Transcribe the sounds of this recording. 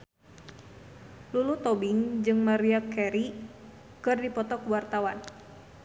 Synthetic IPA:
lulut̪ɔbiŋd͡ʒɨŋmaɾiakɛɾi | kɨrdipɔt̪ɔkuwart̪awan

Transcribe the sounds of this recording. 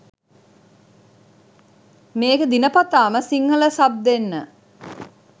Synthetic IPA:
meːɡəd̪inəpat̪aːməsiŋɦələsab̚d̪enːə

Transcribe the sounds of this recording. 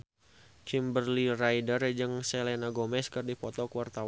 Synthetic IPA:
kimbərlirajdərd͡ʒɨŋsɛlɛnaɡomɛskɨrdipɔt̪ɔkəwart̪aw

